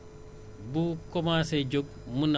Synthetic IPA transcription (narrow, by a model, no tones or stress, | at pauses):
bukɔmasɛd͡ʒoɡ̚ | mun